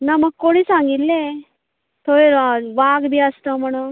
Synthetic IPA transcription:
naməɡ̚koɽ̃isãŋɡit̪lːe | t̪ʰoɾeʋaɡbʱiːəst̪əm̤əɽ̃u

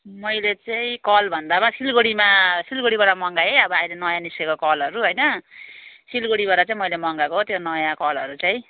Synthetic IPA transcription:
mʌjlet͡saĩkʌlbʱʌnd̪amasilɡoɽimasilɡoɽibaɽamʌŋɡajeʌbʌajlenʌjãniskekokʌlʌɾuɦojnʌ | silɡoɽibaɾat͡saĩmʌjlemʌŋɡakoɦot̪jonʌjãkʌlʌɾut͡saj̃

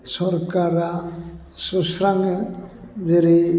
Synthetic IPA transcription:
sɔɾkaɾa | sɔsɾaŋe | d͡ʒeɾi

